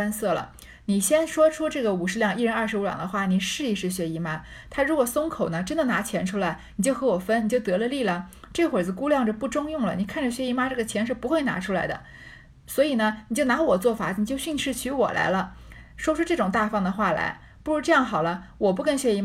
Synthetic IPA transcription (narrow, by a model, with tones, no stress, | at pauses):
a˥nsɤ˥˩lə̰˩ | ni˨˩ɕjɛ˥nʂwɔ˥ʈ͡ʂʰu˥ʈ͡ʂɤ˥˩ɡə˩u˨˩ʂɻ̩˧˥ljɑ˥˩˦ŋi˥˩ɻə˧˥nɐ˥˩ʂɻ̩˧˥u˧˥jɑ̰˨˩ŋd̪ə˦xwa˥˩ni˨˩ʂɻ̩˥˧i˥˧ʂɻ̩˥˩ɕɥɛ˧˥i˧˥ma˥t̪ʰa˥ɻu˧˥kwɔ˨˩sʊ˥ŋkʰo˨˩ʊnə˦ʈ͡ʂə˥nd̪ə˨na˧˥t͡ɕʰjɛ˧˥nʈ͡ʂʰu˥la˧˥ɪni˨˩t͡ɕjo˥˩ʊxɤ˧˥wɔ˨˩fə˥nni˨˩t͡ɕjo˥˩ʊt̪ɤ˧˥lə˧li˥˩lə˩ | ʈ͡ʂɤ˥˩ɡəxwe˨˩d͡zɹ̩˧ku˥ljɑ˥˩ŋʈ͡ʂpu˥˩ʈ͡ʂʊ˥ŋjʊ˥˩ŋlə̰˩ni˨˩kʰa˥˩nʈ͡ʂə˩ɕɥɛ˧˥i˧˥ma˥ʈ͡ʂɤ˥˩ɡə˩t͡ɕʰjɛ˧˥nʂɻ̩˥˩pu˧˥xwe˥˩ɪna̰˧˥ʈ͡ʂʰu˥la˧˥ɪd̪ə̰˧ | swɔ˧˥i˨˩nə˦ni˨˩t͡ɕjo˥˩ʊna˧˥wɔ˨˩t͡swɔ˥˩fa˨˩ni˨˩t͡ɕjo˥˧ʊɕy˥˧ŋʂɻ̩˥˩t͡ɕʰy˧˥wɔ̰˨˩lʔa̰˧˥ɪlə˧ʂwɔ˥ʈ͡ʂʰu˥ʈ͡ʂɤ˥˩ʈ͡ʂʊ˨˩ŋt̪a˥˧fɑ˥˩ŋd̪ə˩xwa˥˩la̰˧˥ɪ | pu˥˩ɻu˧˥ʈ͡ʂɤ˥˧jɑ˥˩ŋxɑ˨˩ʊlə˦wɔ˨˩p̬u˥˧kə˥˧ŋɕɥɛ˧i˧˥m˥